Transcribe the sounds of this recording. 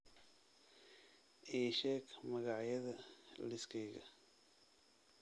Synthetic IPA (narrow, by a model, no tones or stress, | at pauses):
ʔiːʃɛːɡmɐɣɑʕjɐðɐlɪskʰɛjɣɐ